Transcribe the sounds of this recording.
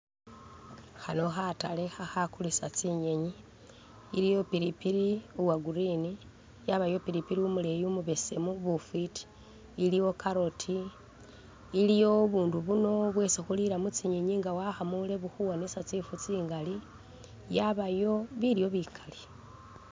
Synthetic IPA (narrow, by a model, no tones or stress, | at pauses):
xano̞xatalexaxakulisat͡siɲe̞ɲiː | ɾijo̞piɾipiɾiuwaɡuɾini | jaβajo̞piɾipiɾiumule̞jumuβe̞se̞muβufiti̥ː | lijo̞kaɾo̞tʰi | lijo̞βuːnduβuno̞βwe̞sexuliɾamut͡siɲeɲiŋɡawaxamule̞βuxuwanesat͡sifut͡siːŋɡali | jaβajo̞βiɾijo̞βikʰḁle